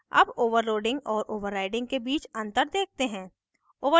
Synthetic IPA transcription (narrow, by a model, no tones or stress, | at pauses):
ɐ̰boːʋəɾːoːɖɪ̃ŋɡɔːɾʔoːʋəɾːaːɪɖɪ̃ŋɡ̚kebiːt͡ʃɐ̃nt̪əɾd̪eːk̚ʰt̪eɦɛ̃ː | oːʋə